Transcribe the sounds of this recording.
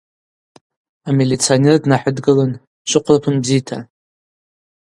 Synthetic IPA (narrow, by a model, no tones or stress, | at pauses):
amelʲit͡sʰionerdnaħʊdɡɨlan | ʃʷʊqʷʰlapʰɨnbzijtʰa̰